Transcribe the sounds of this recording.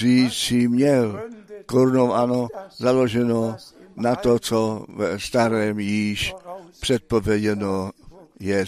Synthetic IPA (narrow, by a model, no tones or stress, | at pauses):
iːt͡simɲɛlkoɾnowanozaloʒɛnonat̪ot͡sovɛst̪aɾɛːmjiːʃpr̥ɛt̪̚povjɛɟɛnojɛ